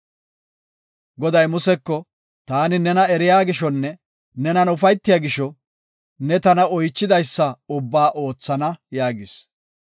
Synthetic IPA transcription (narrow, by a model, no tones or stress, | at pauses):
ɡɔd̪ɐjmʊsɛkːɔ | t̪aːnɪnɛnɐɛɾɪjaːɡɪʃɔnːɛ | nɛnɐnʊfɐjt̪ːɪjaɡɪʃɔ | nɛt̪ɐnɐɔjt͡ʃːɪd̪ɐjsːɐʊbːaːʔo̞ːt͡sːɐnɐjaːɡɪs